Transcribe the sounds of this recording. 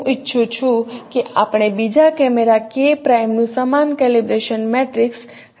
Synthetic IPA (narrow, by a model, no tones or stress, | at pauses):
ʔɪtːʃʰut͡ʃʰũkeʔapɽ̃ebid͡ʒakɛmeɾakepɾajmnũsəmankɛlibɾeʃənmɛʈɾɪks